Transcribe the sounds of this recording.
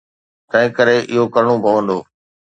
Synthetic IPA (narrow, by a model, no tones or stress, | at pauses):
t̪ɐ̃ɦɪ̃kəɾeʔɪɦokɐɾɽ̃õpɐʋə̃nd̪oː